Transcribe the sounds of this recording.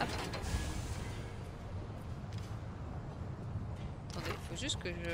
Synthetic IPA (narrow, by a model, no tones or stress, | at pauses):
ap | at̪ɑ̃d̪eifoʒyst̪̚kəʒə